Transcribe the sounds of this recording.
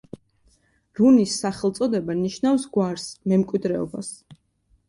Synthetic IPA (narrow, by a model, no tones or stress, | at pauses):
ɾunisːaχɛlˠt̪sʼɔd̪ɛbaniʃnafsɡwaɾsmɛmkʼwid̪ɾɛɔ̰ba̰s